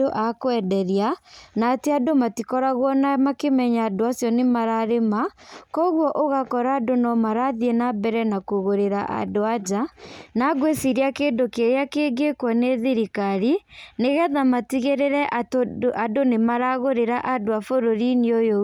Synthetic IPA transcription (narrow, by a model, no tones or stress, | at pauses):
oʔakwɛdɛɾianaːteadomatikɔɾaɣwɔnamakemɛɲaːdoasjɔnemaɾaɾemakɔɣwɔʔoɣakɔɾaːdonɔmaɾaðienabɛɾɛnakoɣoɾeɾa̰ʔa̰doad͡ʒanaɡwesiɾiakeːndokeɾjakeːɡekwɔneðiɾikaɾineɣɛðamatiɣeɾeɾɛʔaʔadonemaɾaɣoɾeɾaʔadoafoɾoɾiniojo